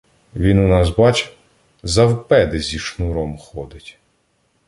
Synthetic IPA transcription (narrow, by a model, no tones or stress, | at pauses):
ʋʲinʊnɑzbɑt͡ʃ | zɐwpɛd̪ɪzʲiʃnuɾɔmxɔd̪ɪtʲ